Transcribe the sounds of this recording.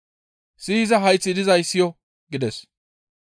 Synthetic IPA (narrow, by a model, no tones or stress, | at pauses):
siːzɐɦɐjt͡sːɪd̪ɪzɐjsːɪjɔ | ɡɪd̪ɛs